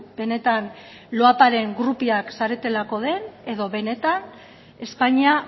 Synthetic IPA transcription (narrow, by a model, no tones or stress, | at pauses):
be̞ne̞t̪an | lo̞apaɾe̞ŋɡɾupiaksaɾe̞t̪e̞lako̞ð̞e̞ne̞ðo̞βe̞ne̞t̪an | e̞spaɲia